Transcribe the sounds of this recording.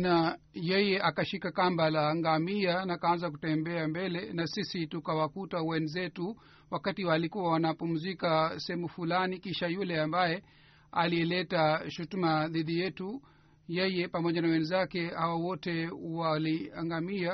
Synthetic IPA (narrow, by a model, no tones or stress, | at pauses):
na | jɛjɛʔakaʃikakambalaːŋɡamianakaanzak̬utɛmbɛambɛlɛnasisitukawakutawɛnzɛtu | wakatiwalikuwawanapum̩zikasɛɛmufulanikiʃajulɛambajɛ | a̰liɛlɛtaʃutumaðiɗijɛtu | jɛjɛpamɔʄanawɛnzakɛhawawɔtɛwaliaŋɡamia